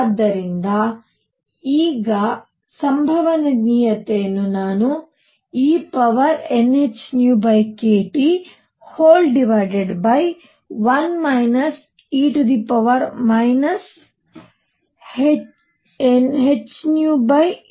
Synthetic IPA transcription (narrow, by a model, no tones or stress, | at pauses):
d̪ːɐɾind̪ɐ | iːɡɐ | sɐmbʱɐʋɐnɐɡnijɐt̪ejɐnːunaːnu | iːpɐʋɐɾenet͡ʃnjuːbɐjkeːʈi | hoːlɖiʋajɖeɖbɐj | ʋɐnmɐjnɐs | iːʈud̪ipɐʋɐɾmɐjnɐs | he | enɦet͡ʃːnjuːbɐj